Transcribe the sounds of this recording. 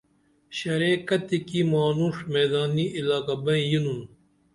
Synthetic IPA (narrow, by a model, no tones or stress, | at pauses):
ɕɐɾeːkɐt̪ːikimaːnuʂmeːd̪aːniilaːkɐbɐ̃ĩjinun